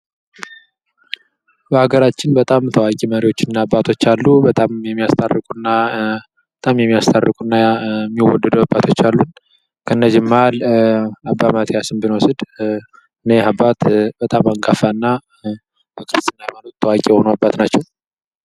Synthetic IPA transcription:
bəhaɡəɾat͡ʃːɪnbət̪ʼamt̪ʰəwakʼiməɾiwo̞t͡ʃːɪnɨnːaːbːat̪ʰo̞t͡ʃːalːubət̪ʼamjɛmːijast̪ʰʼa̰rɨkʼunːa | ət̪ʼamjɛmːijast̪ʰarːɨkʼunːamːiwɔ̰d̪ːəd̪uabːat̪ʰo̞t͡ʃːalːun | kʰəɨnːəd͡ʒɪmːalabːamat̪ʰijasɨnbɨnwɔsɨd̪ | ɨnehabːat̪bət̪ʼamaŋɡʼafanːa | b̥əkʰɨɾɨst̪ɨnːajɛmanot̪t̪ʰːəwakʼijɛho̞nəabːat̪nat͡ʃːɛw

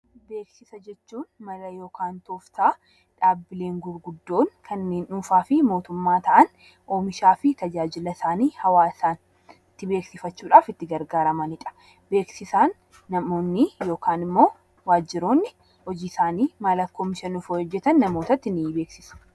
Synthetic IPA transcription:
be̞ːksɪsɐd͡ʒɛt͡ʃːuːnmɐrɐjo̞ːkaːnt̪oːft̪aː | ᶑaːbːɪle̞ːŋɡʊɾɡʊd̪ːo̞ːŋkʰɐnːe̞ːnʔuːfaːfɪmo̞ːt̪ʊmːaːt̪ɐʔɐn | ʔoːmɪʃaːfɪt̪ɐd͡ʒaːd͡ʒɪlɐsaːniːhɐwaːsaːn | t̪ːɪbe̞ːksɪfɐt͡ʃːuːᶑaːfɪt̪ːɪɡɐɾɡaːɾɐmɐnɪᶑɐ̥ | be̞ːksɪsaːnː | ɐmo̞ːnːɪjo̞ːkaːnɪmːo̞ː | waːd͡ʒːɪɾo̞ːnːɪ | hɔd͡ʒiːsaːniːmaːlɐkːoːmɪʃɐnʊfoːɔd͡ʒːɛt̪ɐnːɐmo̞ːt̪ɐt̪ːɪnːɪbe̞ːksɪsɐ̥

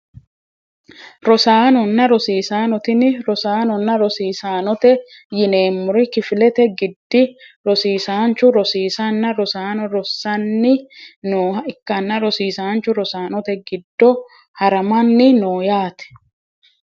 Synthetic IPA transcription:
ɾɔsaːnɔnːɐɾɔsiːsaːnɔt̪ɪnɪɾɔsaːnɔnːɐɾɔsiːsaːnɔt̪ɛ | jɪne̞ːmːʊɾɪkɪfɪlɛt̪ɛɡɪd̪ːɪɾɔsiːsaːnt͡ʃːʊɾɔsiːsanːɐɾɔsaːnɔɾɔsːɐnːɪnoːɦɐɪkːɐnːɐɾɔsiːsaːnt͡ʃʊɾɔsaːnɔt̪ɛɡɪd̪ːɔ | hɐɾɐmɐnːɪnoːjaːt̪ɛ̥

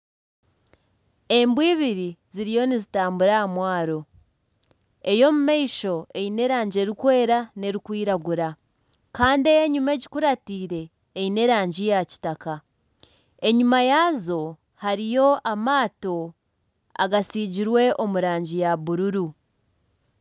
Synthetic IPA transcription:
e̞mbwiːβiɾiziɾijo̞nizitaːmbuɾaamwaːɾo̞ | e̞jo̞mumeiʃo̞ejine̞ɾaːɲɟe̞ɾikwe̞ːɾane̞ɾikwiːɾaɡuɾa | kaːndejeɲume̞ɟikuɾatiːɾe̞ː | ine̞ɾaːɲɟijaci̥taka | e̞ɲumajaːzo̞ | haɾijo̞ʔamaːto̞ | a̰ɡasiːɟiɾwe̞ʔo̞muɾaːɲɟijaβuɾuɾu

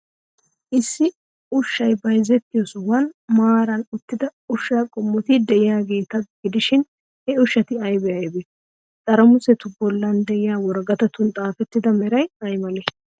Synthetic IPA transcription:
ʔɪsːɪ | ʊʃːɐjbɐjzɛt̪ːɪjɔswɐnmaːɾɐnʊt̪ːɪd̪ɐʊʃːakʼɔmːɔt̪id̪ɛʔɪjaːɡe̞ːt̪ɐɡ̥ɪd̪ɪʃɪn | hɛʊʃːɐt̪ɪɐjbɛɐjbɛ | t̪ʼɐɾɐmʊsɛt̪ʊbɔlːɐnd̪ɛʔɪjaːwɔɾɡɐt̪ɐt̪ʊnt̪ʼaːfɛt̪ːɪd̪ɐmɛɾɐjɐjmɐnɛ

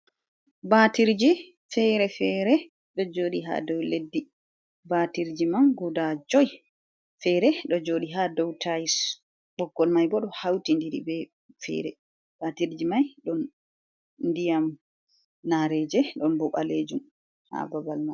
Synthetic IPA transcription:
batiɾd͡ʒi | fɛɾɛfɛɾɛ | ɗɔd͡ʒoːɗiɦa̰dɔwledːi | batiɾd͡ʒimaŋɡudad͡ʒɔj | fɛɾɛɗɔd͡ʒoːɗiɦadɔwtʰajis | ɓɔkːɔlmajbɔɗɔhawtindiɾḭbɛ | fɛ̰ɾɛ̰ | batiɾd͡ʒimajɗɔn | ndijam | naɾɛd͡ʒɛɗɔnbɔɓa̰led͡ʒum | ha̰babalmaj

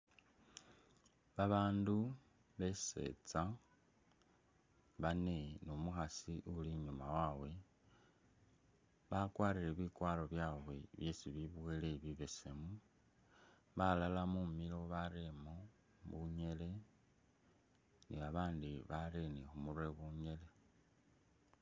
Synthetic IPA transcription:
βaβaːndu | βe̞se̞̰t͡sa | βane̞nomuxasiʔuliɲumawawe̞ | βakwaːɾiɾe̞βikwaːlo̞βjaːwwe̞βjesiβiβweleβiβe̞semu | βalalamumilo̞βaɾemo | βuɲe̞le̞ | niβaβaːndiβaɾenixumure̞βuɲe̞le̞

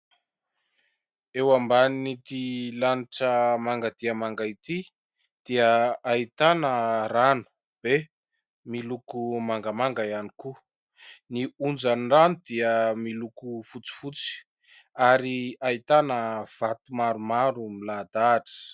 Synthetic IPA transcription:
ewambaninit̪ilaniʈ͡ʂəmaŋɡad̪iəmaŋɡait̪i | d̪̥iəait̪anəranu̥ | b̥e | milukumaŋɡamaŋɡajaniku | niund͡zaniranud̪iəmilukufut͡si̥fut͡si̥ | aɾiait̪anəv̥at̪umaɾumaɾumilad̪aʈ͡ʂi̥

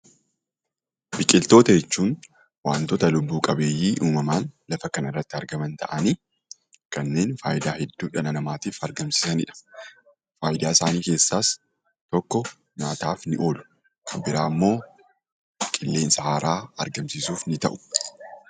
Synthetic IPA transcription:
bɪkʼɪlt̪o̞ːt̪ɐd͡ʒɛt͡ʃːuːn | waːnt̪ɔt̪ɐlʊbːuːkʼɐbe̞ːjːiːʔuːmɐmaːnlɐfɐkɐnɪrːɐt̪ːɪɐɾɡɐmɐnt̪ʰɐ̰ʔɐniː | kɐnːe̞ːnfaːjɪd̪aːhɛd̪ːuːᶑɐnɐnɐmaːt̪iːfɐɾɡɐmsɪ̥sɐnɪ̰ᶑɐ̥ | faːjd̪aːɪsaːniːke̞ːsːaːs | t̪ɔkːɔ | naːt̪aːfnɪʔo̞ːlʊ̥ | kʰɐbɪɾaːmːo̞ː | kʼɪlːe̞ːnsɐhaːɾaːɐɾɡɐmsisuːfnɪt̪ɐ̰ʔʊ̥

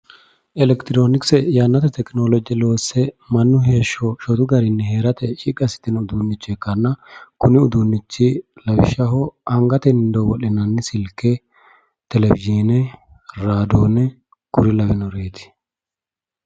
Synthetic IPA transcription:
ɛlɛkt̪ɪɾoːnɪksɛjanːɐt̪ɛt̪ɛknoːlɔd͡ʒɪlo̞ːsɛmɐnːʊɦe̞ːʃːɔʃɔt̪ʊɡɐɾɪnːɛheːɾɐt̪ʰɛʃikʼːɐsɪ̥t̪ːɪnʊd̪unːɪt͡ʃːɛkːɐnːɐkʊnɪʊd̪unːɪt͡ʃːɪlɐbɪ̰ʃːɐhɔʔɐŋɡɐt̪ɛnɪnd̪ɔwɔlɪnɐnːɪsɪlkːɛ | t̪ɛlɛbɪd͡ʒiːnɛ | ɾaːd̪oːnɛ | kʊɾɪlɐbɪnɔɾeːt̪ɪ̥

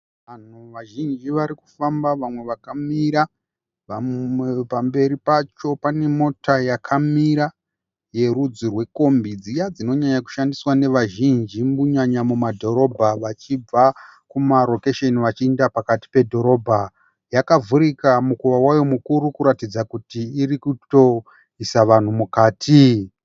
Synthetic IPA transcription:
ʋan̤uʋaʒind͡ʒiʋaɾiku̥fambaʋamwe̞ʋakamiɾa | ʋaepambe̞ɾipat͡ʃo̞pane̞mo̞tajakʰamiɾa | je̞ɾud͡zirwe̞ko̞mbid͡zijad͡zino̞ɲaɲaku̥ʃandiswane̞ʋaʒind͡ʒimuɲaɲamumadʱo̞ɾo̞bʱaʋat͡ʃib͡vakumaɾo̞keʃe̞niʋat͡ʃiendapakati̥pe̞dʱo̞ɾo̞bʱa | jakavuɾikamukuʋawajo̞mukuɾukuɾatid͡zakutiːrikuto̞ | isaʋan̤umukaːtʰi

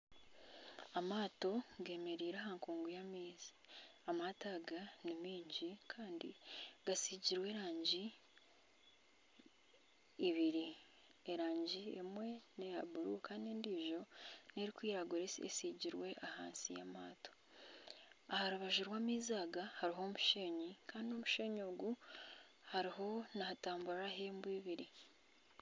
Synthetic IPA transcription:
amaːto̞ɡe̞ːme̞ɾiːɾaɦaːŋkuːŋɡujamiːzi̥amataɡanimiːɲɟikʰaːndḭɡ̥asiɟiɾwe̞ːɾaːɲɟi | βiɾi | eɾaːɲɟiemwe̞nejaβuɾukaːnendiːʒo̞neɾikwiːjaɡoɾesḛsiɟiɾwe̞ʔaha̰ːnsija̰maːto̥ | ahaɾuβaʒuɾwaːmiːzaːɡahaɾiɦo̞muʃe̞ːɲikaːndio̞muʃeɲo̞ːɡu | haɾiɦo̞nahataːmbuɾɾaɦeːmbuiβiɾi

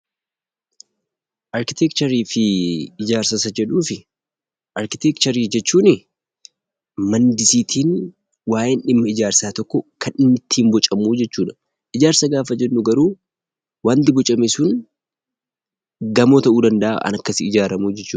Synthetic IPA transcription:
ʔɐɾkɪt̪ɛkt͡ʃɐɾiːfɪɪd͡ʒaːɾsɐsɐd͡ʒɛᶑuːfɪ | ʔɐɾkɪt̪ɛkt͡ʃɐɾiːd͡ʒɛt͡ʃːuːnɪ | mɐnd̪ɪsiːt̪ʰiːn | waːjɪnʔɪmːɐɪd͡ʒaːɾsaːt̪ɔkːɔkʰɐnɪmːɪt̪ʰːiːmbɔt͡ʃʼɐmuːd͡ʒɛt͡ʃːuːᶑɐ̥ | ʔɪd͡ʒaːɾsɐɡaːfɐd͡ʒɛnːʊɡɐɾuː | waːnt̪ɪbɔt͡ʃʼɐmesʊn | ɡɐmoːt̪ɐʔuːd̪ɐnd̪ɐʔa̰ʔɐ̰nɐkːɐsɪɪd͡ʒaːɾɐmuːd͡ʒɛt͡ʃːuː

